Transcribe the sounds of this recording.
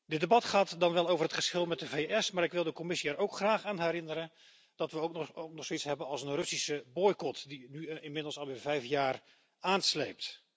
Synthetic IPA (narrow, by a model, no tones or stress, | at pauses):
dədebɑtχaːtdɑnʋɛlˠowvərɦətχəsχɪlˠmɛt̚dəvejʔɛsmaːɾɪkʋɪlˠdəkɔmɪsiɛɾowkχraːχaːnɦɛɾɪnəɾən | d̥ɑtʋəoknɔχstetsɦɛbənɑlˠsənrɵsisəbɔjkɔtdinyɪnmɪdlˠsɑlˠʋɪːɹvɛjfjaːr | aːnslejp̚t